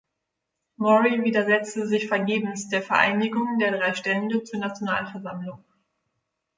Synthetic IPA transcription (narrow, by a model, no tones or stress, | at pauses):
mɔʁiviːdɐzɛt͡stəzɪçfɛɐɡeːbm̩sd̥eːɐfɛɐʔa̰ɪnɪɡʊŋdeːɐdʁaɪʃtɛləndət͡suːɐnat͡sjona̰ːlfɛɐzamlʊŋ